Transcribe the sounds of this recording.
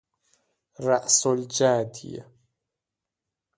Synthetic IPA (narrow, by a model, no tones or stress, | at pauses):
ɾˤɑʔsld͡ʒaːd̪ɪ̰ja̰